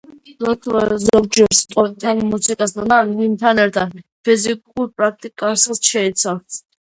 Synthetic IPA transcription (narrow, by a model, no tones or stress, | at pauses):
zɔt̪ʰzɔɾd͡ʒɛɾst̪ʼɔt̪ʰanmusikʼasd̪anaimt̪ʰanɛɾt̪ʰad̪pʰizikʼuɾpʼɾak̚ʰt̪ʼikʼassʃɛit̪sʰavt̪ʰ